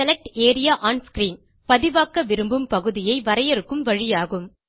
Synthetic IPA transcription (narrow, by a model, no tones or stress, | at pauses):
ɛlɐk̚ʈeːɾɪjaːʔaːnskɾiːn | pɐðɪʋaːkːɐʋɪɾɯmbɯmpɐɣɯðɪjɐɪʋɐɾɐjɛɾɯkːɯmʋɐɻɪjaːɣɯm